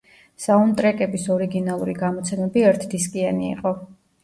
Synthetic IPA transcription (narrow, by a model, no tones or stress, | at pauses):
saunt̪ʼɾɛkʼɛbisɔɾiɡinalˠuɾiɡamɔt̪sʰɛmɛbiɛɾt̪ʰd̪iskʼianiḭqʼɔ